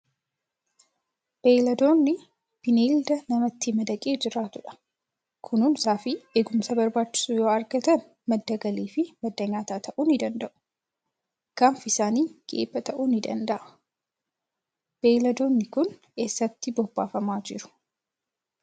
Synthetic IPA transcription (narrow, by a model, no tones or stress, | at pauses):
b̥eːlɐd̪o̞ːnːɪ | b̥ɪniːld̪ɐnɐmɐt̪ːɪmɐd̪ɐkʼe̞ːd͡ʒɪɾaːt̪ʊᶑɐ̥ | kʰʊnuːnsaːfɪeːɡʊmsɐbɐɾbaːt͡ʃːɪ̥suːjo̞ːɐɾɡɐt̪ɐn | mɐd̪ːɐɡɐliːfɪmɐd̪ːɐɲaːt̪aːt̪ʰɐʔuːnɪd̪ɐnd̪ɐʔʊ̥ | ɡ̥aːmfɪsaːniːɡ̥ḛːbːɐt̪ɐʔuːnɪd̪ɐ̰nd̪ɐʔɐ̥ | b̥eːlɐd̪o̞ːnːɪkʊn | eːsːɐt̪ːɪbɔbːaːfɐmaːd͡ʒɪɾʊ̥